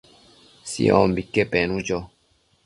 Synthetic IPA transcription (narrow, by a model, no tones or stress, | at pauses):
sḭɔ̰̃mbikːepẽnũd͡ʒɔ